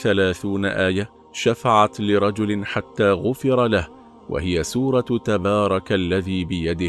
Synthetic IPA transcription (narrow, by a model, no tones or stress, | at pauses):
θalaːθuːnaʔaːja | ʃafaʕat̪lɪɾˤɑd͡ʒʊlɪnħat̪ːaːɣʊfɪɾˤɑlah | wʔa̰hɪjasuːɾˤɑt̪abɑːɾˤɑkʔalːaðiːbɪjad̪ɪ